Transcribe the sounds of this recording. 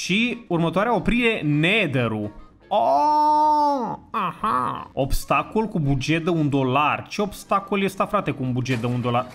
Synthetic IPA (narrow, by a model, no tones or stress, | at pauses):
ʃiurmət̪oaɾeao̞pɾiɾe̞ned̪eɾu | o | aha̰o̞bst̪akolkubud͡ʒe̞t̪̚d̪eund̪o̞lart͡ʃe̞o̞bst̪akoljest̪afɾat̪e̞kuunbud͡ʒet̪̚d̪eund̪o̞lar